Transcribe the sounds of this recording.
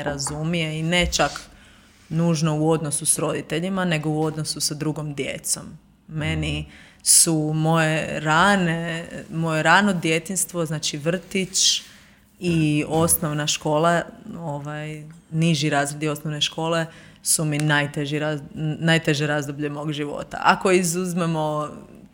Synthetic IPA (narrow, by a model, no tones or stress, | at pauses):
ɾazumije̞ine̞t͡ʃak | nuːʒno̞uo̞d̪nosusɾo̞d̪it̪e̞ʎimane̞ɡo̞uo̞d̪no̞susad̪ɾuɡomd̪jḛt̪so̞mː | e̞ni | sumo̞jeɾanemo̞je̞ɾano̞d̪je̞t̪inst̪ʋo̞znaːt͡ʃiʋr̩t̪it͡ʃ | io̞snoʋnaʃko̞ːlaoʋajniʒiɾaːzɾed̪io̞snoʋne̞ʃko̞ːle̞ | suminajt̪eʒiɾanajt̪e̞ʒeɾazd̪obʎemoɡʒiʋo̰ːt̪a̰ʔako̞izuzmemo̞